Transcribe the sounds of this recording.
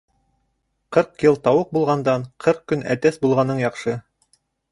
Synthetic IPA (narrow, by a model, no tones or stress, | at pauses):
qɤɾqjɤlˠt̪ɑwɤq̚bulˠʁɑnd̪ɑɴqʰɤɾq̚kɵnæ̰t̪æsbulˠʁɑnɤɴjɑqʃɤ